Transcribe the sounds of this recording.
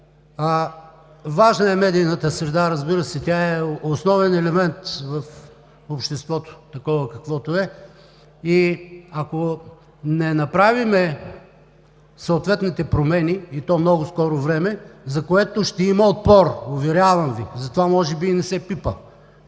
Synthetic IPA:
vaʒnɐɛmɛd̪ijnət̪əsɾɛd̪aɾɐzbiɾəsɛt̪ʲaɛosnɔvɛnɛlɛmɛnt̪vɐf | opʃt̪ɛst̪vɔt̪o̥t̪ɐkɔvəkɐkvɔt̪oɛ | iɐko | nɛnɐpɾavimɛ | sɐot̪vɛt̪nit̪ɛpɾomɛniit̪ɔmnɔɡʊskɔɾovɾɛmɛzɐkoɛt̪oʃt̪ɛimɐot̪̚pɔɾʊvɛɾjavɐmvizɐt̪ovamɔʒɛbiːnɛsɛpipə

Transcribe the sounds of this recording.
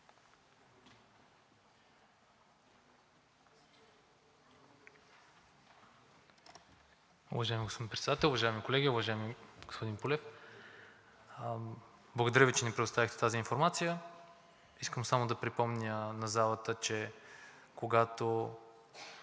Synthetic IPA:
ṵvɐʒaɛmiɡospod̪inmpɾɛt̪sɛd̪at̪ɛlˠʊvɐʒaɛmikolɛɡʲiʊvɐʒaɛmiɡ̥ospod̪inpulɛf | blˠɐɡod̪ɐɾʲjəvit͡ʃɛnɛpɾɛd̪ost̪avixt̪ɛ̥t̪aziːnfoɾmat̪sijə | iskəmsamod̪ɐpɾipɔmnʲənɐzalˠət̪ət͡ʃɛ | koɡat̪o

